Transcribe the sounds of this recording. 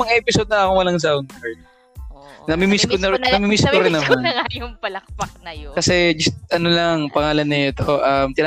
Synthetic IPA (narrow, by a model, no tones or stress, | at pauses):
mɐŋʔɛpɪsod̪̚nɐɐkowɐlɐŋsawnk̪ɐɹ | nɐmɪmiskonɐnɐmimiskoɾɪnːɐmnŋajʊŋpɐlɐk̚pɐk̚nɐkɐsɛd͡ʒɐst̪̚ʔɐnolɐŋpɐŋaːlɐnːɐjot̪oʔɐmt̪ɪn